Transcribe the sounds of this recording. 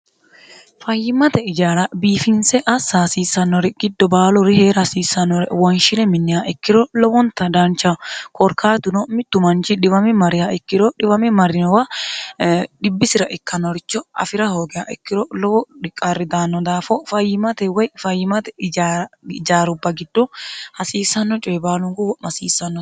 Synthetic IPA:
fɐjːɪmɐt̪ɛɪd͡ʒaːɾɐbiːfɪnsɛʔɐsaːsiːsːɐnːɔɾɛɡ̥ɪd̪ːɔbaːlɔɾɪheːɾɐsiːsɐnːɔɾɛwɔnʃɪnɛmɪnːɪhaʔɛkːɪɾɔlɔwɔnt̪ɐd̪aːnt͡ʃakʰɔɾkʰaːt̪ʊnɔmɪt̪ːʊmɐnt͡ʃɪᶑɪwɐmɪmɐɾɪhaʔɛkːɪɾɔᶑɪwɐmɪmɐɾɪnɔwɐ | ɗɪbːɪsɪɾɐʔɛkːɐnːɔɾɪt͡ʃːɔɐ̰fɪɾɐhoːɡɛha̰ʔɛkːɪɾɔlɔwɔɗɪkʼːarːɪd̪aːnːɔd̪aːfɔfɐjːɪmɐt̪ɛwɐjfɐjːɪmɐt̪ɛd͡ʒd͡ʒaːɾʊbːɐɡɪd̪ːɔhɐsiːsːɐnːɔt͡ʃʼɔjɛbaːlʊŋɡʊwɔmɐsiːsːɐnːɔ

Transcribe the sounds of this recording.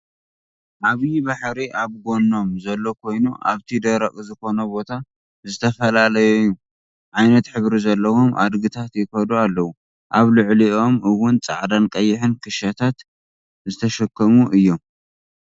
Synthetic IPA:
ʔaβjibaħɾiʔaβɡo̞nːo̞mzɐlːo̞kʰo̞jnuʔa̰βt̪ʰid̪ɐɾɐχʼzɨxo̞nɐbo̞t̪ʰa | zɨt̪ʰɐfɐlalɐjojːu | ʕajnɐt̪ħɨβɾizɐlːɐwo̞mʔa̰d̪ɡɨt̪ʰat̪jɪkɐd̪ualːɐwu | ʔaβlɨʕlio̞mɨwːʊnt͡sʼa̰ʕd̪ankʼɐjːɪħɨnkʰɨʃɐt̪ʰat̪ | zɨt̪ʰɐʃɐkːɐmuʔɨjːo̞m

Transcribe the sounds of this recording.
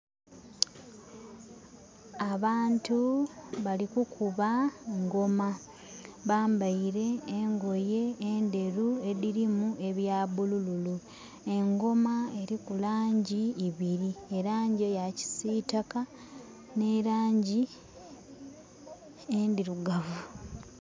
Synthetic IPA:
aβaːntuβalikukʰuβaŋɡo̞ma | βaːmbaiɾe̞ːŋɡo̞je̞ːnde̞ɾue̞ðiɾimue̞βjaːβulululu | e̞ŋɡo̞mae̞ɾikulaːɲɟiːβiɾieɾaːɲɟejaci̥siːtaka | ne̞ɾaːɲɟi | endiɾuɡavu

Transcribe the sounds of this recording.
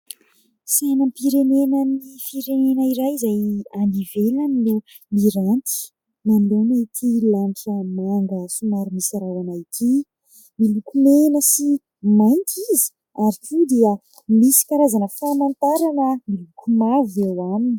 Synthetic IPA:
sanəmpiɾenenənifiɾenenəiɾajizajanivelanilu | miɾant̪i̥ | nanlonet̪ʰilaɳʈ͡ʂəmaŋɡəsumaɾumisaɾawanajk̪ʰi | milukumenəsi | majnt̪ʰizi̥ | aɾikud̪iə | misi̥kaɾazanəfamant̪aɾanəmilukʰumavewamini

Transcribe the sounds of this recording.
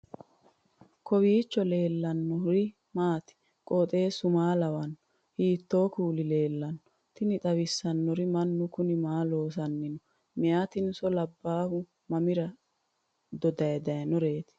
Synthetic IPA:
kʰɔwiːt͡ʃːɔle̞ːlːɐnːɔɾɪ | maːt̪ɪ̥ | kʼɔːt̪ʼe̞ːsʊmaːlɐwɐnːɔ | hiːt̪ːo̞ːkuːlɪle̞ːlːɐnːɔ̥ | t̪ɪnɪt̪ʼɐwɪsːɐnːɔɾɪmɐnːʊkʊnɪmaːlo̞ːs̬ɐnːɪnɔ | mɪjaːt̪ɪnsɔlɐbːaːhʊ | mɐmɪɾɐ | d̪ɔd̪ɐjɐd̪ɐjɐnɔɾe̞ːt̪ɪ̥

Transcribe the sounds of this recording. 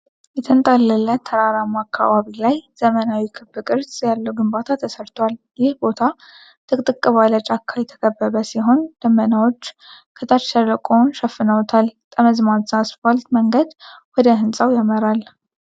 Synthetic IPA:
jɛt̪ʰənt̪ʼalːəlːət̪ʰːəɾaɾamakʰːa̰βaβilajz̥əmənawikʰɨbːɨkʼɨɾsʼjalːəwɡɨmbat̪ʰat̪ʰəsəɾt̪ʰwaljɪhbo̞t̪ʰa | t̪ʰʼɨkʼt̪ʼɨkʼːɨβalat͡ʃʼakʰːajɛt̪ʰə̥kʼəbːəβəsiɦo̞nd̪̥əmːənawo̞t͡ʃː | kʰət̪ʰaʃərəkʼonʃəfːɨnəwt̪ʰalt̪ʼəməzmazasfalt̪məŋɡəd̪wɔd̪əhɨnsʼawjaməɾal

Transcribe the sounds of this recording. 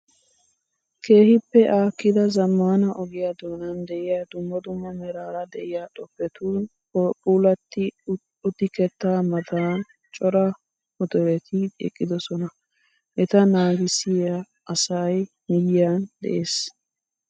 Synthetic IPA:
kʰe̞ːhɪpːɛʔaːkːɪd̪ɐzɐmːaːnɐʔɔɡɪjad̪o̞ːnɐnd̪ɛʔɪjaːd̪ʊmːɐd̪ʊmːɐmɛɾaːɾɐd̪ɛʔɪjaːᶑʼɔpːɛt̪uːn | ɔpʼuːlɐt̪ːɪ | ʊt̪ːɪkɛt̪ːaːmɐt̪aːn | t͡ʃʼɔɾɐ | mɔd̪ɔɾɛt̪ʰɪɛ̰kʼːɪd̪ɔsɔnɐ | ʔɛt̪ɐnaːɡɪsɪja | ɐsɐj | mɪjɪjaːnd̪ɛ̰ʔeːs

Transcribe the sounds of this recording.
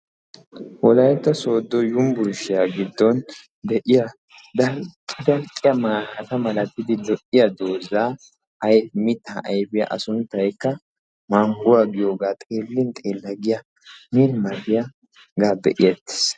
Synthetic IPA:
wɔlɐjɛt̪ːɐso̞ːd̪ːɔjʊmbʊɾʊʃɪjaɡɪd̪ːɔn | d̪ɛʔɪjɐ | d̪ɐkʼɪd̪ɐlkʼɪjɐmaɐt̪ɐmɐlɐt̪ːɪd̪ɪd̪ɔʔɪjɐd̪oːzaː | ɐjmɪt̪ːaʔɐjbɪjɐ̰ʔɐsʊnt̪ːɐjkːɐ | maːŋɡʊwaɡɪjo̞ːɡaːt̪ʼe̞ːlːɪnt̪ʼeːlːɐɡɪjɐ | milmɐɾɪjɐ | ɡaːbɛ̰ʔɪjɛt̪ːɪ̥s

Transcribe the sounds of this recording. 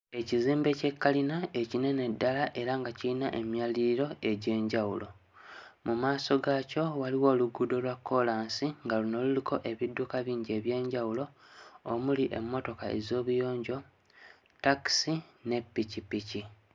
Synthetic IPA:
e̞ciziːmbe̞ce̞kːalinae̞cine̞ne̞dːalaʔe̞ɾaŋɡaciinaʔe̞mjaliɾiɾo̞e̞ɟe̞ːɲɟawulʔo̞ | mumaːso̞ɡaːco̞waliwo̞ːluɡudo̞lwakːo̞laːnsiŋɡaluno̞lulikʰo̞ʔe̞βidːukaβiːɲɟe̞βje̞ːɲɟawulo̞ | omuliʔe̞̰mːo̞to̞kae̞̰zo̞ːβujo̞ːɲɟo̞ | taksine̞pːicipici

